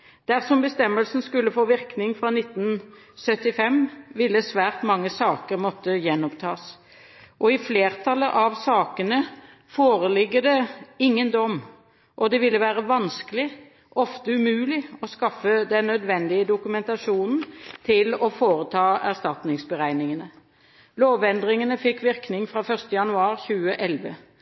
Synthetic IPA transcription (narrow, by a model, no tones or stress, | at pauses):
d̪̥æʁsɔmbəst̪ɛmːəlsn̩skʉlːəfoːʋɪʁknɪŋfʁɑnɪt̪ːn | sœt̪ːɪfɛmʋɪlːəsʋæːʁt̪mɑŋːəsɑːkəɾmɔt̪ːəjɛnːɔpt̪ʰɑːs | ʔɔɪfleːʁt̪ʰɑlːəʔɑʋsɑːkənə | foːɾəlɪɡːəd̪ɛɪŋːənd̪ɔm | ʔɔd̪ɛʋɪlːəʋæːʁəʋɑnskəlɪ | ʔɔft̪əʉmʉːlɪɔskɑfːəd̪ɛnːœd̪ʋɛnd̪ɪəd̪ʊkʉmɛnt̪ɑʃuːnn̩t̪ʰɪlɔfoːɾət̪ʰɑːæʁst̪ɑt̪nɪŋsbəʁæɪnɪŋənə | loːʋɛnd̪ʁɪŋənəfɪkːʋɪʁknɪŋfɾɑfœʁst̪əjɑnʉɑːɾçʉːəʔɛlʋə